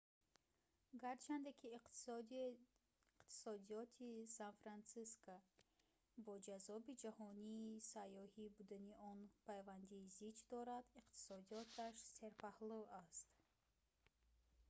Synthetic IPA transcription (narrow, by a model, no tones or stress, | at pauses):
ɡaɾt͡ʃʰand̪ekʰi | qt̪ʰi̥sɔd̪iɔt̪ʰisanfɾansiskʰɔ | bɔd͡ʒazɔbid͡ʒahɔniːsajɔhibud̪aniɔnpʰajvand̪iːzit͡ʃd̪ɔɾad̪iqt̪ʰi̥sɔd̪ijɔt̪ʰaʃseɾpʰahluast̪